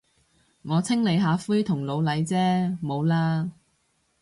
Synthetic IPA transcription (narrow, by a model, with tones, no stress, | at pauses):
ŋɔː˨˧t͡sʰɪ˥ŋle˨˧jɦaː˨˧fuː˥jt̪ʰʊ˨˩ŋlo˨˧wlɐ˨˧jt͡sɛː˥mo˨˧wlaː˥